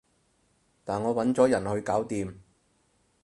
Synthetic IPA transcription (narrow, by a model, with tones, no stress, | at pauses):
t̪aː˨nŋɔː˨˧wɐ˨˥nt͡sɔː˨˥jɐ˨˩nhɵ˧ɥkaː˨˥wt̪iː˨˧m